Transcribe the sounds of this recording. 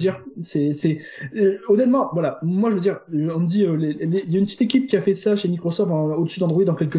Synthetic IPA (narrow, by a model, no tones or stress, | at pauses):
d̪iʁsɛsɛ | ɔnɛt̪mɑ̃vwalamwaʒəvəd̪iʁɔ̃məd̪iøleleiljaynpət̪i̥t̪ekʲip̚kʲiafɛsaʃemikχɔsɔft̪ɑ̃od̪əsyd̪ɑ̃d̪ʁwid̪ɑ̃kʲɛlkə